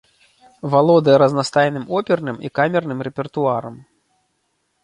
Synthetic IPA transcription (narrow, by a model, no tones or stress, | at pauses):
valˠɔd̪ɨjɐɾɐznast̪ajnɨmɔpʲɛrnɨmikamʲɛrnɨmrɛpʲɛrt̪uaɾɐm